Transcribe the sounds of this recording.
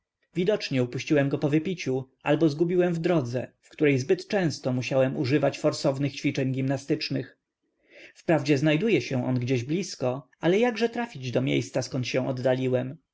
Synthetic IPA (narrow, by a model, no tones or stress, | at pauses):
vʲid̪ɔt͡ʂɲɛupuɕt͡ɕiwɛmɡɔpɔvɘpʲit͡ɕuʔalbɔzɡubʲiwɛmvd̪ɾɔd̪zɛ̰fkt̪uɾɛjzbɘt̪t͡ʂɛ̃w̃st̪ɔmuɕawɛmuʐɘvat͡ɕfɔɾsɔvnɘxt͡ɕfʲit͡ʂɛɲɡʲimnast̪ɘt͡ʂnɘx | fpɾavd͡ʑɛznajd̪ujɛɕɛ̃ʔɔ̰nɡd͡ʑeɛʑblʲiskɔ | alɛjaɡʐɛt̪ɾafʲid͡ʑd̪ɔmʲjḛjst̪saskɔnt̪ɕɛ̃w̃ʔɔd̪ːalʲiwɛm